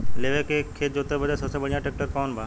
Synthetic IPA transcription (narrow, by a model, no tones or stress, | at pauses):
leʋekekʰeːd͡ʑoːt̪ebəd͡ʑasəsẽbəɽijãʈek̚ʈəɾkɔːnbʱaː